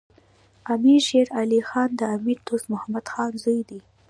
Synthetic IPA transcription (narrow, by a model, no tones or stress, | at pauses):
amiɾʃeɾalixɑnd̪əamiɾt̪osmʊhamad̪xɑnzujd̪i